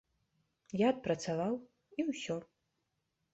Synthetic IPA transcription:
jaːt̪̚pɾɐt̪savaw | iwsʲɔ

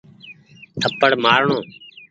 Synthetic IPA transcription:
t̪ʰəpəɽmaːɾɳõː

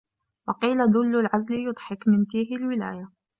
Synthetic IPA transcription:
wɑqiːlad̪ʊlːʊlʕazlɪjʊd̪ˤħɪkmɪnt̪iːɦɪlwɪlaːja

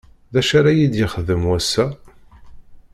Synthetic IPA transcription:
ðæʃaɾajid̪jɪχəðəmwæsːæ

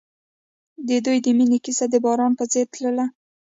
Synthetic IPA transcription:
d̪əd̪ujd̪əminikisad̪əbɑɾɑnpəzet̪ləla

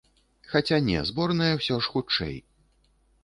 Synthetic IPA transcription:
xat͡sʲanʲɛ̰zbɔrnɐjɐwsʲɔʂxut͡ʂɛ̰j

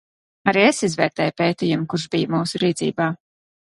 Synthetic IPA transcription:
aɾiːesizvɛːɾt̪ɛːjpeːt̪iːjumkuɾʒbijmuːsuɾiːt̪zḭːbaː

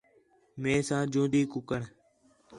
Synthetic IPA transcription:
mẽːsãːd͡ʒõːd̪iːkʊkəɳ

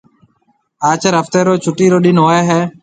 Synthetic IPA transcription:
aːt͡ʃəɾəft̪eːɾoːt͡ʃʰʊʈiːɾoːɗɪnɦoːeːɦɛː

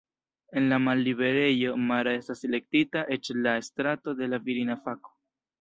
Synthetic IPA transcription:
e̞nlamalːibe̞ɾe̞jo̞maɾae̞stasele̞k̚titaʔe̞t͡ʃlae̞stɾato̞de̞laviɾinafako̥

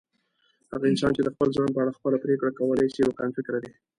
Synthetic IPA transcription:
haɣaɪnsɑnt͡ʃed̪əxpəlzɑnpəaɽaxpəlapɾekɽakawəlajʃiakanfɪkɾad̪e

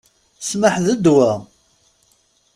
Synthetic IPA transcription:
sməħðəd̪wæ

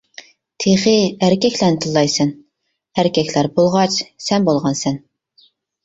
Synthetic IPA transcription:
t̪ʰeχɪæɾkʲʰɛkʲlɛɾnɪt̪ʰɨlˠːɑjsɛn | hæɾkʲʰɛkʲlæɾbolˠʁɑt͡ʃsɛnbolˠʁɑnsɛn

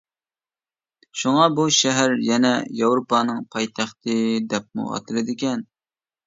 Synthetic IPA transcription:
ʃuŋɑbuʃɛɦæɾjɛnɛjɑwɾupɑnɨŋpʰɑjt̪ʰæχt̪ʰɨd̪ɛp̚mṵɑ̰t̪ʰɨlɨd̪ɪkʲɛn

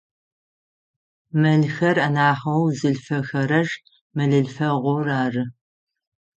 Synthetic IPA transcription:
mɐɮxɐrɐnaːχɐwzɨɬfɐxɐɾɐʒ | mɐɮɨɮfɐʁʷʊraːrɨ

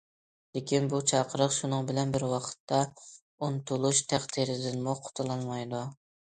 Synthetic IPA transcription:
lekʲinbut͡ʃʰɑqʰəɾəqʃunɨŋbɪlɛnbɪɾwɑqʰə̥t̪ːɑ | unt̪ʰulˠuʃt̪ʰæχt̪ʰiɾɪd̪ɪnmuqʰʊ̥t̪ʰulˠɑnmɑjd̪u

